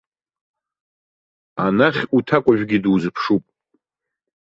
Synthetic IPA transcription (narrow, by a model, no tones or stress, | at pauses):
anaχʲutʰakʷʼaʒᶣʷɡʲiduzɨpʰʂupʼ